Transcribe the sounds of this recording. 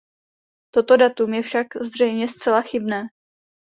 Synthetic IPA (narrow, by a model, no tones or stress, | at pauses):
t̪o̞t̪o̞dat̪umjɛfʃakzr̝ɛjmɲɛst͡sɛlaxɪbnɛː